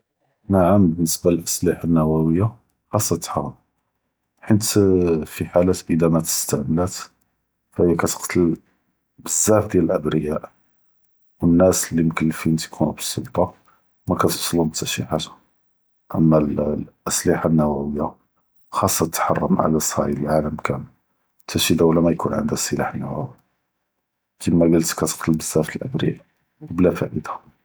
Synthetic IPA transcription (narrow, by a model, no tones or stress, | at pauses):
naʕambənːəsbaləlʔəsliħanːæwæwəjːa | xɑsˤːɑt̪ːħɑ̰rˤːəm | ħənt̪fiħalæt̪ʔəd̪æmæt̪ə̥st̪aʕmlæt̪ | fæhəjkæt̪ə̥qt̪ʰəl | bəzːæfd̪jæləlʔəbɾəjaʔ | wənːæslːimkəlːfint̪kʰunubə̥sːʊ̰lt̪ˤɑ | mækæt̪əsˤəlʊmət̪ːæʃḭħat̪ḁ | ʔəmːælʔəsliħanːæwæwəjːa | xɑsˤːɑt̪ːħɑ̰rˤːəmʕa̰læsˤɑ̰ʕiləlʕaləmkʰæn | t̪ʰːæʃid̪awlæmæjkunʕə̰nd̪hæsˤːəlaħnæ̰wæ̰wi | kimæɡəlt̪kæt̪ə̥q̚t̪ʰəlbəz̥ːæft̪əlʔə̰bɾə̰ja̰ʔ | wblæfæ̰ʔəd̪ḁ